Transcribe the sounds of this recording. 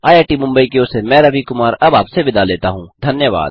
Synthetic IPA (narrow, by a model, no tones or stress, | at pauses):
aːjaːʈimʊ̃mbəikeʊsemɛ̃ːɾɐʋikʊmaːɾɐbaːpseʋɪd̪aleːt̪aɦũːd̪ʱɐnjəʋa̰ːd̪̚